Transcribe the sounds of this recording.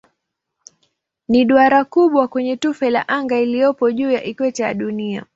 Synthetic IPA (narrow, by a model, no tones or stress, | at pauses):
niɗuaɾakuɓwakwɛɲɛtufɛla̰ʔaŋɡailijɔpɔʄuːjaʔikwɛtɛja̰ɗunia